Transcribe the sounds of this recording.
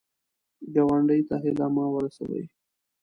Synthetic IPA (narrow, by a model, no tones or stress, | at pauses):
ɡawaɳɖəjt̪aɦɪlamɑwəɾasa̰wə̰j